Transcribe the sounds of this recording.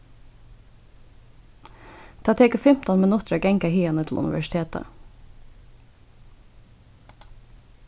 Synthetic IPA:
t̪ʰɑːt̪ʰeːkəfɪmt̪ɑnmɛnʊst̪ɾɑɡɛŋkəhiːɑnət̪ʰl̩ʔʉ̰nɪ̰ʋæ̰ʃt̪ʰeːt̪ə̰

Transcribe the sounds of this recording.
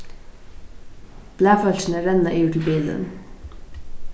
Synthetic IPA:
b̥læːfœlt͡ʃn̩əɾɛnɑʔiːjʊʈʰl̩biːld̪ə̰n

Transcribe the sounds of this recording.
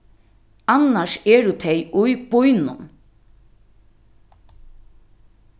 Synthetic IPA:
anaʃɛːɾʊt̪ʰejʊjb̥ʊjnʊ̰n

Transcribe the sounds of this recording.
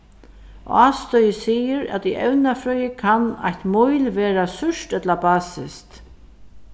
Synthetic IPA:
ʔɔ̰aːst̪ɔjəsiːjəɾa̰t̪iʔɛwnafɾœːʏjəkʰana̰jht̪mujlʋeːɾasʏʂt̪ɛt̪labaːsɪst̪

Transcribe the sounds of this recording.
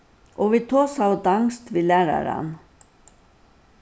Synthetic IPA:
ʔoːʋiːt̪ʰoːsɑʊd̪ɑŋst̪ʋiːlæːɾɑ̰ɾɑ̰n

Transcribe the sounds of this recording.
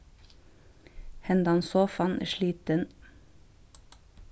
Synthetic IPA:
hɛnd̪ɑnsoːfɑnʔʃɭiːt̪ən

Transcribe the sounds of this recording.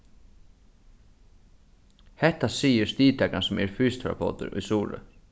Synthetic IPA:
hɛht̪ːasiːjɪɾ̥st̪iːt̪ʰɛkansɔmɛ̰ɾfyːst̪ʰɾa̰po̰ːt̪ʏ̰ɾṵjsuːɾʏ̰

